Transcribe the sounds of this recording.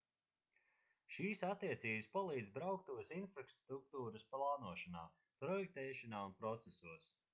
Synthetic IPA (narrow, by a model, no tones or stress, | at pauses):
ʃiːsat̪ːiɛt̪siːbɨspalˠiːd̪zbɾawk̚t̪uɔsinfɾakst̪ɾuk̚t̪uːɾɐsplˠaːnuɔʃana̰ː | pɾɔjɛk̚t̪ɛːʃanaːunpɾɔt̪sesuəs